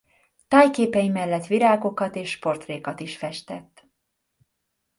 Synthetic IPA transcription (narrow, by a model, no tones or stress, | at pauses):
t̪aːjkeːpɛjimɛlːɛt̪ʋiɾaːɡo̞kɒt̪eːʃːpo̞rt̪reːkɒt̪iʃfɛʃt̪ɛt̪ː